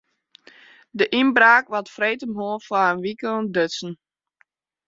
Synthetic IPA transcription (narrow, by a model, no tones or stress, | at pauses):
dəʔinbraːkʋɔtfreːtəmɦoːfwaənʋikondøsn̩